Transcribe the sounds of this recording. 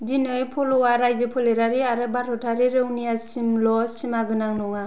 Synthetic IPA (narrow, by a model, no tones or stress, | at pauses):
dinɯjpʰɔlɔwaɾajzɯpʰɯleɾaɾiaɾɯbaɾʰɔtʰaɾiɾɯwnijasimlɔsimaɡɯnaŋnɔŋa